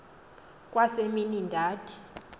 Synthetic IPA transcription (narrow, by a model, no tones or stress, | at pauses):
kʼwaseminindʱaːtʰi̥